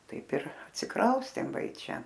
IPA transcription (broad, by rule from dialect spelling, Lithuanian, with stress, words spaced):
ˈtɐɪp ɪr ɐtʲsʲɪˈkrɐʊsʲtʲeːm ˈʋɐ ɪ ˈt͡ʃʲɛ